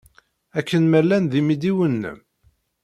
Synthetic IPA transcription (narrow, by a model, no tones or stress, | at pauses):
ækːənmælːænðimid̪iwənːə̰m